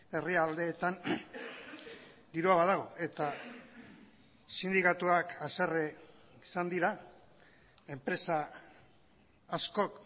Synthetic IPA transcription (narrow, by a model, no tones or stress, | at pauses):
e̞riald̪e̞ːt̪an | d̪iɾuaβaðaɣ̞o̞e̞t̪a | sind̪ikat̪uakʰasereisand̪iɾa | e̞mpɾe̞sa | sko̞k